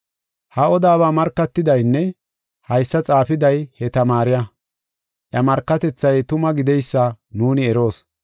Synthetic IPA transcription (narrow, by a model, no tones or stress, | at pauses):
hɐɔd̪aːβaːmɐɾkːɐt̪ːɪd̪ɐjnːɛ | hɐjsːɐt͡sʼaːfɪd̪ɐjhɛt̪ɐmaːɾɪjɐ | ʔjɐmɐɾkːɐt̪ɛt͡sːɐjt̪ʊmɐɡɪd̪ɛjsːɐnuːnɪɛɾo̞ːs